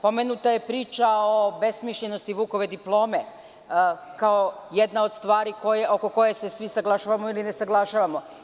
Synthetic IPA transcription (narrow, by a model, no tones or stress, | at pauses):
po̞menut̪aje̞pɾiːt͡ʃao̞be̞smiʃʎeno̞st̪iʋuːko̞ʋe̞d̪iplˠo̞ːme | kaojed̪nao̞d̪st̪ʋaːɾikojeʔokoko̞je̞se̞sʋisaɡlˠaʃaːʋamoiline̞saɡlˠaʃaʋamo̞